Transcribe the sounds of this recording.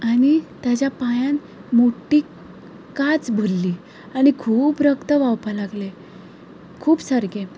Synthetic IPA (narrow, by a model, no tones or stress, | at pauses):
aɽ̃it̪jat͡ɕjapajãn | moʈːiː | kat͡sbʱəlːiː | aɽ̃ikʰuːpɾəkt̪əʋawpalaɡle | kʰuːpsəɾɡe